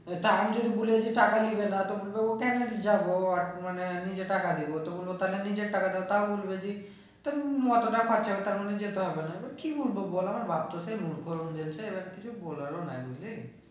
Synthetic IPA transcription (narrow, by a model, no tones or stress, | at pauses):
t̪aɾamd͡ʒod̪ibuled͡ʒiʈakalibenat̪ɔbulbeokɛned͡ʒaboaɾmanenid͡ʒeʈakad̪ebot̪ɔbolbot̪alenid͡ʒeʈakad̪ebot̪abolbed͡ʒi | t̪aɾmɔt̪oʈakʰɔt͡ʃabet̪aɾmɔned͡ʒet̪eɦɔbenaebaɾkibulbobolamaɾbap̚t̪osemuɽkɔɾund͡ʒelt͡ʃʰeebaɾkit͡ʃʰubolaɾona̰jbid͡ʒle